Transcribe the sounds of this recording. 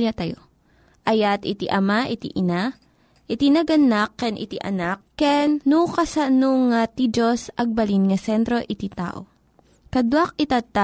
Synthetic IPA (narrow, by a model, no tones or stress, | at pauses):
at̪ɐjo̰ | ʔɐjat̪ɪt̪iʔɐmaʔɪt̪ḭʔɪna | ʔɪt̪inɐɡɐnakːɛnʔɪ̰t̪iʔɐ̰nakːɛnːukɐsanuŋat̪id͡ʒosɐɡ̚bɐlinŋɐsɛnt̪ɾo̞ʔɪt̪it̪a̰ːʔo | kɐd̪wak̚ɪt̪at̪a